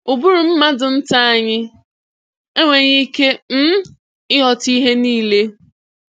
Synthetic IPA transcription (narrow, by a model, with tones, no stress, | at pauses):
u˨bu˦ɾu˨m̩˦ma˦dʊ˨n̩˦ta˦a˦ɲɪ˦ | e˦ŋʷe˨ɲi˦ke˦m̩˦ | ɪ˦ɦɔ˨ti˦ɦe˦niː˦le˦